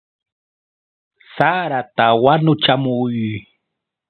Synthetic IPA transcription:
saɾat̪awanʊt͡ʃamʊjʊj

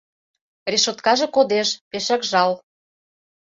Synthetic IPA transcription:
reʃot̪kɑʒĕkod̪eʃpeʃækʒɑl

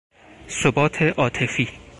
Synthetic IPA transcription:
sobɒːt̪ʰeʔɒːt̪ʰe̞fiː

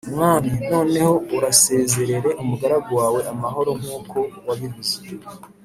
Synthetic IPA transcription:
mŋaːnino̞ːne̞ho̞uɾase̞ːze̞ɾe̞ɾe̞ʔumuɡaɾaɡowaːwe̞ʔamaɦo̞ɾo̞ŋ̥huːkʰo̞waβivuze

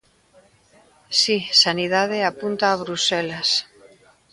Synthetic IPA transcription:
sisanið̞að̞eapunt̪aːβ̞ɾuselas

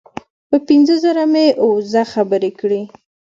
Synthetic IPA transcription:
pəpinzəzəɾameʔozaxabəɾekɽi

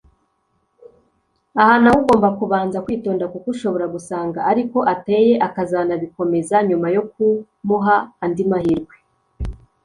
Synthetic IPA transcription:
ahanahuɡo̞ːmbakuβaːnzakwiːto̞ːndakukuʃo̞βo̞ɾaɡusaːŋɡaːɾiko̞ʔate̞je̞ʔakazanaβiko̞me̞zaɲumajo̞ku | muɦaːndimahiɾɡwe

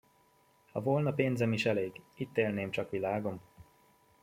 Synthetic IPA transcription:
hɒvo̞lnɒpeːnzɛmiʃɛleːɡit̪ːeːlneːmt͡ʃɒkʋilaːɡo̞m

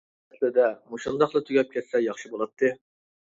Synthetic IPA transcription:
ɛt̪ʰlɪd̪ɛmuʃund̪ɑχlˠɨt̪ʰyɡʲɛp̚kʲʰɛt̪sɛjɑχʃɨbolˠɑt̪ʰːɨ

